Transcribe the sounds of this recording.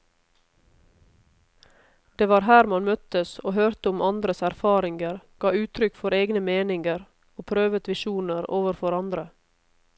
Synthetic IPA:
d̪̥eːʋɑːɾɦæːɾmɑnmœt̪əsoːhøːɾt̪əʊmʔɑnd̪ɾəsæɾfɑːɾɪŋɡəɾɡ̥ɑːʉːt̪ʰɾʏkfɔɾeːɡnəmeːnɪŋɡəɾ | oːpʰɾøːʋət̪ʋɪʃuːnəɾoːʋəɾfɔɾɑnd̪ɾə

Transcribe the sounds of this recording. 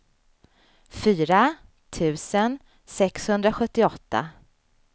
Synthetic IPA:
fyːɾa | t̪ʰʉ̟ːsən | sɛkshɵnd̪ɾaɧɵt̪ːɪɔt̪ːa̰

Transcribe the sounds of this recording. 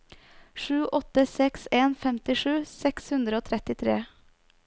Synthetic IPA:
ʂʉːʔɔt̪əsɛkseːnfɛmt̪ɪʂʉːsɛkshʉnd̪ɾəoːt̪ʰɾɛt̪ɪt̪ʰɾeː

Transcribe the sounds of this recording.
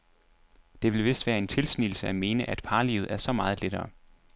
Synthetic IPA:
d̥e̝ʋe̝lʋe̝sd̥ʋæːɐe̝nt͡sʰe̝lsnil̩səæme̝ːnəʔæd̥̚pʰɑ̈ːlḭʊð̞̩ˠæɐsɒ̽mɑ̈ːð̩ˠleɾ̥ɐː

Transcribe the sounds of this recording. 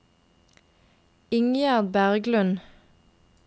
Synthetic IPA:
ɪŋjæːʁd̪̚bæʁɡlʉn

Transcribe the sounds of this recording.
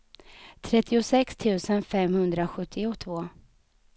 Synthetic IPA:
t̪ʰɾɛt̪ʰːɪʊsɛkst̪ʰʉ̟ːsənfɛmhɵnd̪ɾaɧɵt̪ʰːɪʊt̪ʰvoː

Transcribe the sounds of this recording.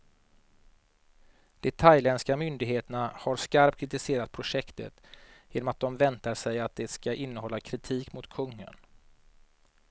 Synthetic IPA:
d̪̥ɛt̪ʰajlɛnskamʏnd̪ɪɡɦeːt̪əɳahaɾskaɾp̚t̪kʰɾɪt̪ɪseːɾat̪̚pʰɾʊʂɛkt̪ə̰t̪jeːnɔmat̪̚d̪ɔmvɛnt̪aʂɛjat̪̚d̪ɛskaʔɪnːəhɔlːakʰɾɪt̪ʰiːkmʊt̪kʰɵŋːə̰n

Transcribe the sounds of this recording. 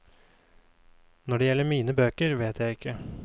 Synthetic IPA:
nɔɖɛːjɛlːəɾmiːnəbøːkəɾʋeːt̪jæɪɪkʰːə

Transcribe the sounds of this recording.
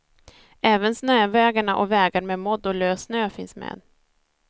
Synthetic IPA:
ɛːvənsnøːvɛːɡaɳaʔɔ̰vɛːɡaɾmɛmɔd̪ːɔløːsnøːfɪnsmḛːd̪

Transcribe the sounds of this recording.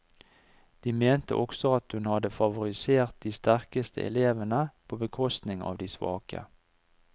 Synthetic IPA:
d̪̥iːmeːnt̪ə̰ʔɔksɔɑt̪hʉnhɑd̪əfɑʋʊʁɪseːʁt̪̚d̪iːst̪æʁkəst̪ʰə̰ʔɛ̰leːʋənəpʰoːbəkʰɔst̪nɪŋɑ̰ːʋd̪iːsʋɑ̰ːkə̰

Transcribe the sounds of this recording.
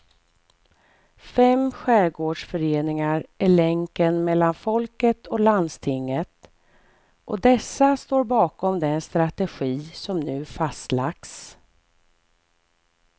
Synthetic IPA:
fɛmɧæːɾɡoːɖʂfœɾeːnɪŋaɾʔæɭɛŋkənmɛlːanfɔlkət̪ʰɔland̪st̪ʰɪŋːət̪ | ʔɔd̪ɛsːast̪oːɾbɑːkɔmd̪ɛnst̪ɾat̪ɛɧiːsɔmnʉ̟ːfast̪laks

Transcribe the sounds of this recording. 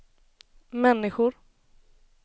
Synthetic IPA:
mɛnːɪɧʊɾ

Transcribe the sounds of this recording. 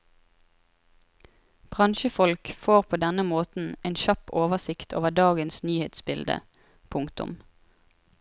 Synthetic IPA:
b̥ʁɑnʃəfɔlkfoːʁpʰoːd̪ɛnəmoːt̪n̩eːnʃɑpoːʋəsɪkt̪ʰo̰ːʋəd̪ɑːɡənsnyːheːt̪sbɪld̪ə̰ | pʰʊŋkt̪ʊ̰m

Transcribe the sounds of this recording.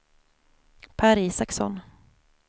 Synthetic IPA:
pʰæɾiːsaksɔ̰n

